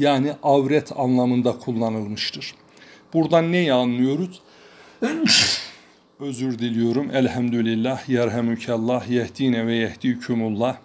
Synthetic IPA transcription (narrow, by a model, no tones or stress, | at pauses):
jaːniʔɑwɾɛt̪ʰɑnlˠɑmɯnd̪akʰulˠːɑnɯlˠmɯʃt̪ʰɯɾ̥ | b̥uɾd̪anːɛjɛɑnːɯjo̞ɾuz̥ | ø̞zyɾd̪ilʲijo̞ɾumʔælhæmd̪ulilʲːæhjæɾɦæmycʰælˠːɑhjæhd̪̥inɛvɛjæhd̪iycʰymulˠːɑ